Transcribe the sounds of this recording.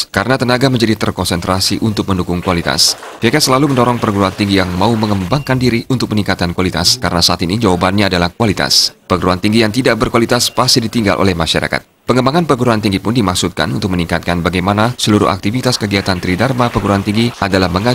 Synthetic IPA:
kaɾənat̪ənaɡaməɲd͡ʒadit̪ərkɔnsɛnt̪ɾasiʔunt̪ʊk̚məndukʊŋkualit̪a̰s | fekasəlaluməndoɾɔŋpərɡuɾuant̪iŋɡijaŋmauməŋəmbaŋkandiɾiʔunt̪ʊk̚məniŋkat̪̚kankualit̪a̰skaɾənasaʔat̪inid͡ʒawabanɲaːdalahkualit̪a̰spərɡuɾuant̪iŋɡijaŋt̪idaʔbərkualit̪aspast̪idit̪iŋɡa̰lʔo̰lɛhmaʃaɾa̰ka̰t̪̚pəŋəmbaŋanpərɡuɾuant̪iŋɡipʊndimaksut̪̚ka̰nunt̪ʊk̚məniŋkat̪̚kanbaɡajmanasəluɾʊ̰hʔa̰k̚t̪ifit̪askəɡiat̪ant̪əɾidarmapərɡuɾuant̪iŋɡiʔadalahməŋa

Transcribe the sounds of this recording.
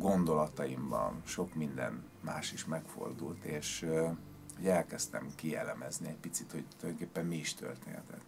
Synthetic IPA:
ɡo̞nd̪o̞lɒt̪ɒimbɒ̰nʃo̞kmind̪ɛ̰n | ma̰ːʃiʃmɛkfo̞̰rd̪ult̪eːʃ | hoɟɛlkɛst̪ɛ̰mkijɛlɛmɛzniɛc̚pit̪sit̪ho̞ɟt̪uljoŋkeːpːɛmmiːʃt̪ø̰rt̪eːnɛ̰t̪ɛ̰t̪ː

